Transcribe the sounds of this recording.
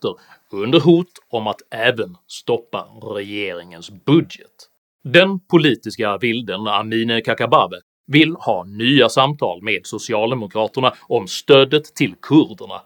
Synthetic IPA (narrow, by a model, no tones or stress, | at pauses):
t̪əɾ | ɵnd̪əɾɦuːt̪ɔmat̪ɛːvənst̪ɔpːa̰ɾɛjeːɾɪŋənsbɵd̪jɛ̰t̪ | d̪ɛnpʰʊliːt̪ɪskavɪld̪əna̰miːnəkʰakabaːvə | vɪlhɑːnyːasamt̪ʰɑ̰ːlmeːd̪sʊsɪɑːld̪ɛmʊkʰɾɑːt̪əɳaɔmst̪øːd̪ət̪ʰːɪlkʰɵɾd̪əɳa̰